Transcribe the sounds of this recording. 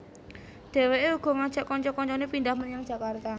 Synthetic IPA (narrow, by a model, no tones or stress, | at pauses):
d̥e̤weʔeuɡ̥ɔ̤ŋad̥ʒ̥aʔkɔɲt͡ʃɔkɔɲt͡ʃɔnepindahmənjaŋd̥ʒ̥a̤kart̪a